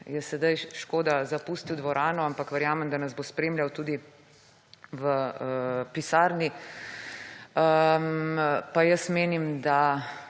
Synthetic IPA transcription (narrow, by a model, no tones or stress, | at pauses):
jɛsɛd̪ajʃkoːd̪azapuːst̪iwd̪ʋɔɾaːnɔampakʋəɾjaːmɛmd̪anɐzbospɾeːmljawt̪uːd̪i | ʋə | pisaːɾni | ə | pajəsmeːnimd̪a